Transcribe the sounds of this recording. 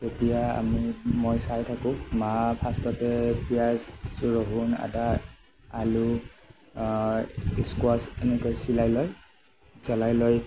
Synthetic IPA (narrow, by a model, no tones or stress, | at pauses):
tetijaa̰mimojsajtʰakʊ̃mapʰastɔpɛpijasɹɔɦuna̰da | alu | iskwasenɛkɔjsilajlɔj | sɛlajlɔj